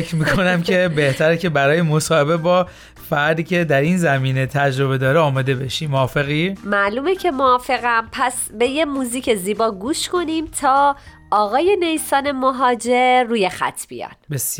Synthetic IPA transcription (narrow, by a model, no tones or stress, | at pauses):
fecɾmiːkʰo̞næmcʰe̞be̞ht̪ʰæɾecʰe̞bæɾɒːjemosɒːhe̞bebɒː | fæɾd̪iːcʲʰe̞d̪æɾiːnzæmiːnet̪ʰæd͡ʒɾo̞βe̞d̪ɒːɾeɒːmɒːd̪e̞be̞ʃimːoːfe̞ɣiːmæʔluːmecʰe̞moɒːfe̞ɣæmpʰæs | be̞je̞muːziːcʰe̞ziːbɒːɡuːʃko̞nimt̪ʰɒː | ɒːɣɒːje̞nejsɒːne̞moɦɒːd͡ʒeɾːuːje̞xæ̰t̪ʰb̥ḭjɒ̰nbesj